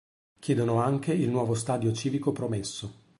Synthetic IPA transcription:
kʲjɛːd̪onoaŋkeilnwɔːvost̪aːd̪jot͡ʃiːvikopɾomesːo

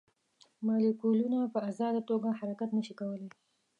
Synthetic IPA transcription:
mɑlikulunapəazɑd̪at̪oɡahaɾakat̪nəʃikawəle

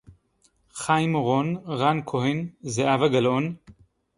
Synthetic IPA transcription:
χajmoʁonʁankʰoɦenzeʔavaɡalon

